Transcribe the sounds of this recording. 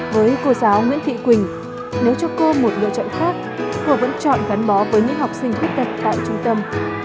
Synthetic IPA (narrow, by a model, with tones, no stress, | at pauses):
vəː˨˦jko˧˩zaː˨˦wŋwḭ˧˥ənt̪ʰḭ˧˨kwï˨˩ŋ̟ | ne˨˦wt͡ɕɔ˧ko˧mo˨˩t̚lo̰˧˨t͡ɕɔ̰˧˨nxaː˦˥k̚ko˧və̰˧˥nt͡ɕɔ̰˧˨nɣa˨˦nɓɔ˨˦vəː˨˦jɲɨ̰˧˥ŋɦa˨˩wk͡p̚sï˧ŋ̟t̪ʰwt̚t̪ə˨˩p̚t̪a̰ː˧˨jt͡ɕʊ˧ŋ͡mt̪ə˧m